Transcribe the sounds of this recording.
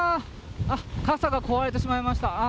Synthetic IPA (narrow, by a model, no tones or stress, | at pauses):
akasaɡako̞βaɾe̞t̪̬e̞ɕimaimaɕi̥t̪a